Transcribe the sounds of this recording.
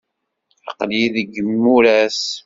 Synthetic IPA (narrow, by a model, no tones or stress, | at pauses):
ə̰qliðəɡəmːuɾæs